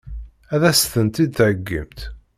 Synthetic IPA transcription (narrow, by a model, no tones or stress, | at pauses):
æðæst̪ənt̪id̪θʕəɡːə̰mt̪